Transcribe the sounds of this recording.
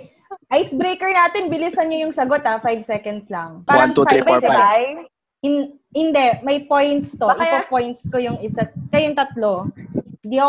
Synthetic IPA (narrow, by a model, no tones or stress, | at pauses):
ʔajsbɾejkɛɹnaːt̪ɪnbɪlisɐnɲojʊŋsɐɡot̪afajbsɛkɐnd̪slɐŋaːɐŋt̪ut̪i | ɪn | hɪnd̪ɛʔmɐjpo̞jnt̪st̪oʔɪpɐpojnt̪skojʊŋɪsɐkɐjʊŋt̪ɐt̪lod̪iʔɐ